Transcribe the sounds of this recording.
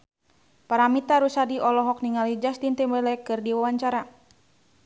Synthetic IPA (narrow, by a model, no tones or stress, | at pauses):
paɾamit̪aɾusadiʔɔlɔɦɔk̚niŋalid͡ʒast̪int̪imɛlɛkɨrdiwawaɲt͡ʃaɾa